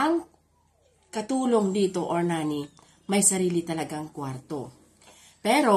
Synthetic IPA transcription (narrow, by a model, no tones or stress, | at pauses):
ʔɐŋ | kɐt̪uːlo̞ŋd̪iːt̪o̞ʔoɹnaːni | mɐjsɐɾiːlɪt̪ɐlɐɡaŋkwaɾt̪o | pɛːɾo